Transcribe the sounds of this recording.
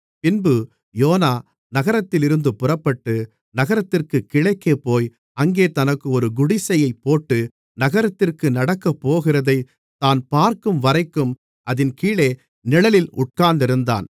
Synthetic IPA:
pɪnbɯ | joːnaː | nɐɣɐɾɐt̪ːɪlɪɾɯnd̪ɯpʊrɐpːɐʈːɯ | nɐɣɐɾɐt̪ːɪrkɯkːɪɭɐɪkːeːpoːj | ɐŋɡeːt̪ɐnɐkːɯɔɾɯɡʊɽɪsɐjɐɪpːoːʈːɯ | nɐɣɐɾɐt̪ːɪrkɯnɐɽɐkːɐpːoːɣɪrɐðɐɪ | t̪aːnpaːɾkɯmʋɐɾɐɪkːɯm | ʔɐðɪnkiːɭeː | nɪɭɐlɪlʊʈ̚kaːnd̪ɪɾɯnd̪a̰ːn

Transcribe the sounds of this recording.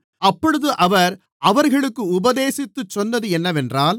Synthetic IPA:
ɐpːɔɽɯðɯʔɐʋɐɾ | ɐʋɐɾɣɐɭɯkːɯʊbɐðeːsɪt̪ːɯt͡ʃːɔnːɐðɯɛnːɐʋɛndraːl

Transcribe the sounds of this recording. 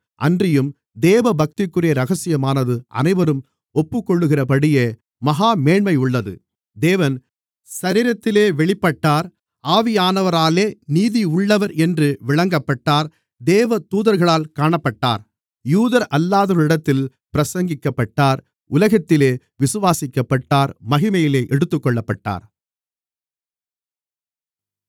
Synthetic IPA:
ʔɐ̰ndrɪjɯm | d̪eːʋɐbɐk̚t̪ɪkːɯrɪjɐɾɐɣɐsɪjɐmaːnɐðɯʔɐ̰nɐɪʋɐɾɯm | ɔpːɯkːɔɭːɯɣɪrɐpɐɽɪje | mɐɦaːmeːɳmɐɪʊɭːɐðɯ̰ | d̪eːʋɐn | sɐɾɪɾɐt̪ːɪleːʋɛɭɪpːɐʈːaːɾ | aːʋɪjaːnɐʋɐɾaːleːniːðiʊɭːɐʋɐɾɛndrɯʋɪɭɐŋɡɐpːɐʈːaːɾ | d̪eːʋɐt̪uːðɐɾɣɐɭaːlkaːɳɐpːɐʈːa̰ːɾ | juːðɐɾʔɐlːaːðɐɭɪɽɐt̪ːɪl | pɪɾɐsɐŋɡɪkːɐpːɐʈːaːɾ | ʊlɐɣɐt̪ːɪleː | ʋɪsɯʋaːsɪkːɐpːɐʈːaːɾmɐɣɪmɐjɪleːʔɛɽɯt̪ːɯkːɔɭːɐpːɐʈːa̰ːɾ

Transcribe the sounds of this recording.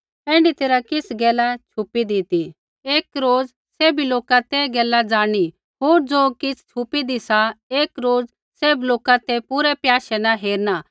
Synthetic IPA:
ɛ̃ːɳɖit̪eːɾakɪsɡɛːlat͡ʃʰʊpid̪it̪i | eːkɾoːd͡z | seːbiloːkat̪ɛɡɛːlad͡zaːɽ̃i | ɦoːɾd͡zoːkɪsʰt͡ʃʰʊpid̪isaeːkɾoːd͡z | seːbloːkat̪ɛpuɾɛpjaːʃɛnaɦeːɾna

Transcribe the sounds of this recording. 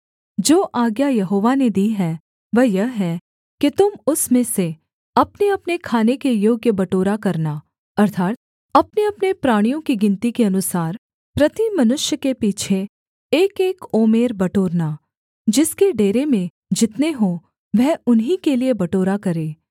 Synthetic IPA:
d͡ʒoːʔaːɡjajɐɦoːʋaned̪iːɦɛː | ʋəjɐɦɦɛ | kit̪ʊmʊsmẽse | ɐpneɐpnekʰaːnekejoːɡjəbɐʈoːɾakɐɾna | ɐɾt̪ʰaːt̪̚ | ɐpneɐpnepɾaːɽ̃ijõkiɡɪnt̪ikeɐnʊsaːɾ | pɾɐt̪imɐnʊʃjəkepiːt͡ʃʰeː | keːkoːmeːɾbɐʈoːɾna | d͡ʒɪskeɖeːɾemẽ | d͡ʒɪt̪neɦo | ʋɛɦʊnɦikeliebɐʈoːɾakɐɾeː

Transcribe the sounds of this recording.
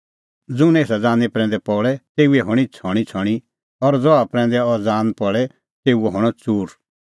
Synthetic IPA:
d͡zʊ̃neːsad͡zaːnɛpɾɛ̃ːnd̪ɛpɔːɭɛt̪eːuɛɦɔɽ̃it͡sʰɔːɽ̃it͡sʰɔɽ̃i | ɔɾd͡zɔapɾɛ̃ːnd̪ɛɔɾd͡zãːnpɔɭɛ | t̪eːuɛɦɔɽ̃ɔt͡suːɾ

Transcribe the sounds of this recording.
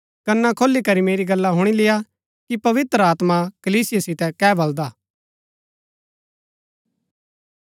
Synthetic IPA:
kɐnːakʰoːlːikɐɾimeːɾiɡɐlːaɦʊɽ̃ilɪja | kipɐʋɪt̪ɾəaːt̪makəliːsɪjasɪt̪ɛkɛːbɐld̪aː

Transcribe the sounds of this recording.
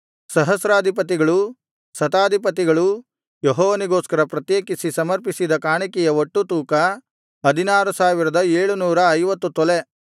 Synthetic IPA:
sɐɦɐsɾaːd̪ʱip̬ɐt̪̬iɡɐɭu | sɐt̪aːd̪ʱipɐt̪̬iɡɐɭu | jɔɦɔːʋɐniɡoːskɐɾɐpɾɐt̪jeːkisisɐmɐɾpisid̪ɐkaːɳikɛjɐoʈːut̪uːkɐ | ɐd̪ʱinaːɾusaːʋiɾɐd̪ɐeːɭunuːɾɐːjʋɐt̪ːut̪ɔle

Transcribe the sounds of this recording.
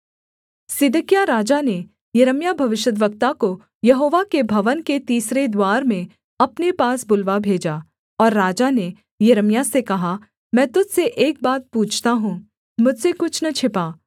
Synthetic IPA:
sɪd̪əkjaɾaːd͡ʒane | jɐɾəmjabʱɐʋɪʃəd̪ʋək̚t̪ako | jɐɦoːʋakebʱɐʋənket̪iːsɾed̪waːɾmẽ | ɐpnepaːsbʊlʋabʱeːd͡ʒaː | ɔːɾːaːd͡ʒane | jɐɾəmjasekɐɦa | mɛ̃ːt̪ʊd͡ʒ̪seʔeːk̚baːt̪̚puːt͡ʃʰt̪aɦũ | mʊd͡ʒʱsekʊt͡ʃʰnɐt͡ʃʰɪpaː

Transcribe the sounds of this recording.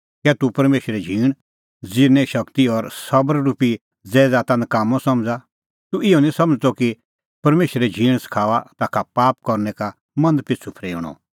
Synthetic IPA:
kɛt̪upɐɾmeːʃɾɛd͡ʒʱiːɽ̃ | d͡zɪɾnɛʃɐkt̪iɔɾsɐbəɾɾupi | d͡zɛːd͡zat̪ãnd̪kaːmːɔ̃sɐmd͡za | t̪uɪɔnĩsɐməd͡zt̪ɔki | pɐɾmeːʃɾɛd͡ʒʱĩːɽ̃sɐ̥kʰaːʋat̪aːkʰapaːp̚kɔɾnɛka | mɐ̃nd̪pɪt͡sʰupʰɾeːɽ̃ɔ̰

